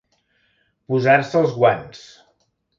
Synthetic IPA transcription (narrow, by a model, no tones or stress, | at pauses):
puzaɾsəlˠzɣwans